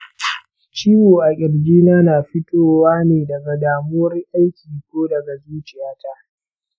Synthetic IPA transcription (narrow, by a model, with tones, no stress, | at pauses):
t͡ʃiː˦woː˨ʔa˨kʲʼɪ˨ɽɡʲiː˦naː˦naː˨ɸɪ˦toː˦˨waː˦neː˨dɐ˨ɡa˨daː˨moː˦ɾɪ˦ʔa˦jkʲiː˨kʷoː˦dɐ˨ɡa˨zuː˦t͡ʃɪ˦jaː˦ta˦ʔ